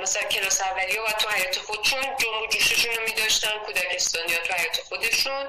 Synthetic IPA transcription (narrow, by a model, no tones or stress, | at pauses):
mæsælæncʰʲe̞lɒːsævːælijɒbæd̪̚t̪ʰuhæjɒːt̪ʰexod̪eʃund͡ʒomod͡ʒuːʃeʃunomiːd̪ɒʃt̪ænkʰud̪æcʰe̞st̪ɒːnijɒt̪ʰuhæjɒːt̪ʰexod̪e̞ʃun